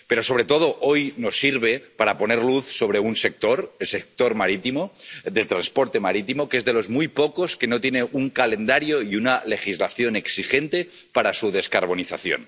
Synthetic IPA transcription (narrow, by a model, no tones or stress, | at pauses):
pe̞ɾo̞so̞β̞ɾe̞t̪o̞ð̞o̞ʔojno̞sːiɾβ̞e̞paɾapo̞neɾluθso̞β̞ɾe̞unse̞k̚t̪o̞ɾelsek̚t̪o̞ɾmaɾit̪imod̪e̞lt̪ɾanspo̞ɾt̪e̞maɾit̪imokezðe̞lo̞zmujpoko̞ske̞no̞t̪jeneʔuŋkalend̪aɾjoiunale̞xizlaθjo̞ne̞ksixe̞nt̪e | paɾasuð̞e̞skaɾβ̞o̞niθaθjo̰n